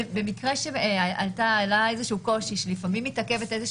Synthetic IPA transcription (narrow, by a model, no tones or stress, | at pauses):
be̞mikʁeʃeaaltaːlae̞zeʃuːko̞ʃiʃelifamimːitake̞veteze